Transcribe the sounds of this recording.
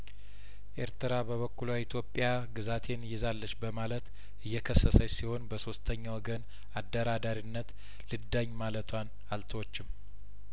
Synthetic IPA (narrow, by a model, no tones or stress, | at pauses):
ʔe̞ɾt̪ʰɨɾabəβəkːulait̪ʰjo̞pʼːja | ɡɨzat̪ʰe̞nɨjːɛzalːəʃbəmalət̪ | ɨjːɛkʰəsːəsəjsiho̞nbəso̞st̪ʰəɲːawɔɡən | ad̪ːəɾad̪aɾinːət̪ | lɨd̪ːaɲːmalət̪ʰwan | alt̪ʰəwot͡ʃːɪm